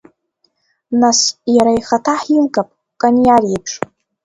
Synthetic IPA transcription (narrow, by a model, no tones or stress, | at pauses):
nasjaɾaiχatʰaħilɡapʼ | kʼanjarjapʰʂ